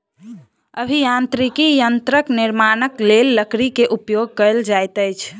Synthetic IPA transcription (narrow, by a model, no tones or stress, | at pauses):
əbʱijãnt̪ɾikijənt̪ɾəkniɾmanəklelːəkɾikeʔupjoɡ̚kəɾld͡ʒajt̪əjt͡ʃʰ